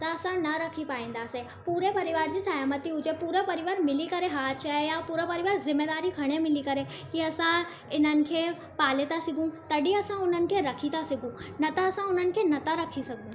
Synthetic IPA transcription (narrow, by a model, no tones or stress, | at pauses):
t̪ɐːsãnɐɾɐkʰipaːĩːn̆d̪aːse | puːɾepɐɾɪʋaːɾd͡ʑiːsɐjaːmət̪iʊd͡ʒepuːɾəpɐɾɪʋaːɾmɪlikɐɾeɦaːt̪t͡ʃaejapuːɾəpɐɾɪʋaːɾzɪmːeːd̪aːɾikʰɐɽ̃emɪlikɐɾe | kiɐsã | ɪn̤ənɪ̆kʰeː | paːlɪt̪asɪɡũt̪ɐɖiɐsãʊn̤ənɪ̆kʰeɾɐkʰit̪asɪɡũnɐt̪aɐsãʊn̤ənɪ̆kʰenɐt̪aɾɐkʰisɐɡ̚d̪ẽː